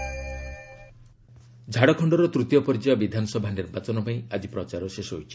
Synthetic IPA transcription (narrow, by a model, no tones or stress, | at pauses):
d͡ʒʱaɽɔkʰɔɳɖɔɾɔt̪ɾut̪jɔpɔɾid͡ʒebabid̪ʱanɔsɔbʱaniɾbat͡ʃɔnɔpaĩad͡ʒipɾɔt͡ʃaɾɔʃesɔɦojt͡ʃʰi̥